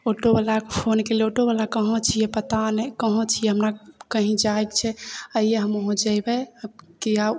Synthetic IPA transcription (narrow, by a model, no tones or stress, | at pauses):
oʈobalakpʰonkeleoʈoβalakəɦõt͡ʃʰijɛpət̪anɛkəɦõt͡ʃʰijɛɦəmɾakəɦĩd͡ʒaekt͡ʃʰɛəijeɦəmɦõd͡ʒajbɛkia